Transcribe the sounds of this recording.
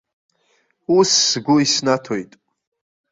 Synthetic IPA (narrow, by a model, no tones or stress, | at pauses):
usːɡʷʊisnatʰojtʼ